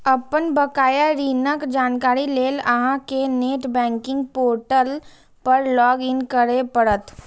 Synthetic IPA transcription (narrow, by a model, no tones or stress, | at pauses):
ɐpənbəkaːjaɾiːnəkd͡ʒaːnkaːɾileːlɐɦãkeneːʈbɛ̃ːŋkɪ̃ŋɡ̚poːɾʈəl | pəɾlɔːɡɪnkəɾepəɽət̪